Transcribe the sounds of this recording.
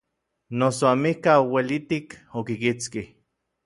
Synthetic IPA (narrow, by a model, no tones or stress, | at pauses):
nosoamihkaowelit̪ikokikit͡skih